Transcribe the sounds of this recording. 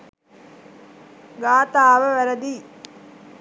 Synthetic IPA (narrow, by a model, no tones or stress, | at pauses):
ɡaːt̪aːʋəʋæɾəd̪iː